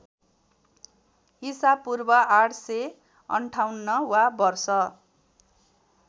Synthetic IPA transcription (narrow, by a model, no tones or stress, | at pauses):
ɦisab̚pːurbʌaʈʰse | ʌ̰ɳʈʰawnːʌwabʌrsʌ